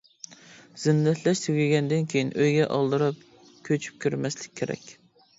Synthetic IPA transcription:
z̥ɪnːɛt̪ʰlɛʃt̪ʰyɡʲɪɡʲɛnd̪ɨnkʲʰejinʔøjɡʲɛʔɑ̰lˠd̪ɨɾɨp̚ | kʲʰøt͡ʃʰy̥p̚kʲʰyɾmɛslɪ̥k̚ʲʰːeɾɛ̰kʲ

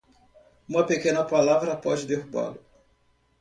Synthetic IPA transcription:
ũmɐpekẽnɐpalavɾɐpɔd͡ʒɪd̪ehuba̰lʊ

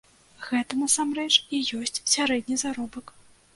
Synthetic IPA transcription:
ɣɛt̪ɐnɐsamrɛt͡ʂijɔsʲt͡sʲsʲaɾɛd̪ʲnʲizaɾɔbɐk

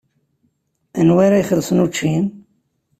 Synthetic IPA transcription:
ænwaɾajχlsnut͡ʃːin

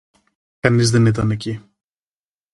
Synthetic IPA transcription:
kɐnizðenit̪̬ɐne̞ci

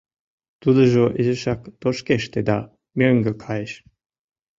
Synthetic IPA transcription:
t̪ud̪əʒoʔezəʃɑkd̪̥oʃkeʃt̪ed̪ɑ | mʲøŋɡøkʰɑjeʃ

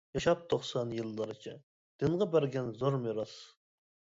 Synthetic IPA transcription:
jɑʃɑp̚t̪ʰːoχsɑnjɨlˠːəɾɨt͡ʃʰɛ | d̪̥ɨnʁɑbæɾɡʲɛnzoɾmeɾɑs

